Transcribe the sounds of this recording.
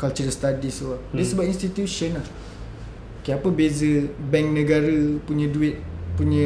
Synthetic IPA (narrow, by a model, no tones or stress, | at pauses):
kalt͡ʃərst̪adisuadiəsəbap̚inst̪it̪juʃəna | kəapəbezəbɛŋk̚nəɡaɾəpuɲə̃duɪt̪̚puɲə̃